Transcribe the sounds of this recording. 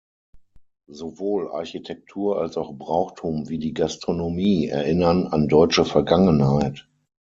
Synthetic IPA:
zovoːlʔa̰ɐçitʰɛk̚tʰuːɐʔa̰lsaʊxbʁaʊxtʰuːmviːdiːɡastʁ̥onomiːɛ̰ɐʔɪnɐna̰ndɔʏt͡ʃəfɛɐɡaŋənhaɪt

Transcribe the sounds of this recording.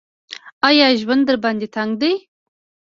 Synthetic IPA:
ɑjɑʒwand̪d̪əɾband̪et̪ʰaŋɡd̪ej

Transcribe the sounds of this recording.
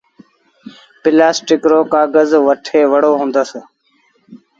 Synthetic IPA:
pɪlaːsʈɪkɾoːkaːɡəzʋəʈʰeːʋəɽoːɦũːnd̪əs

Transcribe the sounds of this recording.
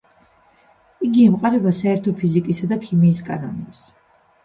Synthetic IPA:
iɡiɛmqʼaɾɛbasaɛɾt̪ʰɔpʰizikʼisad̪akʰimiːskʼanɔnɛps

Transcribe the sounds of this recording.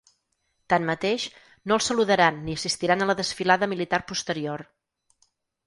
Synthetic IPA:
t̪anmət̪eʃ | nolˠsəluðəɾanːiəsist̪iɾanələðəsfilaðəmilit̪arpust̪əɾior

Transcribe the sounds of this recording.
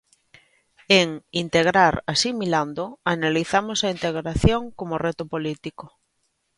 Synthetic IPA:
eŋint̪eɣ̞ɾaɾasimiland̪oanaliθamosaint̪eɣɾaθjoŋkomoret̪ʊpolit̪iko

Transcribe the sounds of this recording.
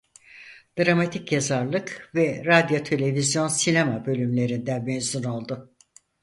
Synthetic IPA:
d̪̥ɾamat̪ʰicjazaɾlˠɯkvɛɾad̪jo̞t̪ʰe̞lʲe̞vizjo̞nsinemabø̞lʲymlʲe̞ɾind̪ænmenzuno̞lˠd̪ʊ

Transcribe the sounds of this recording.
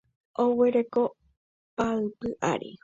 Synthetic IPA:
ʔowe̞ɾe̞ko | paɨpɨʔa̰ɾḭ

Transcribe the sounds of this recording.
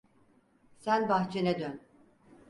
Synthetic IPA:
sænbaxt͡ʃʰenɛd̪øn

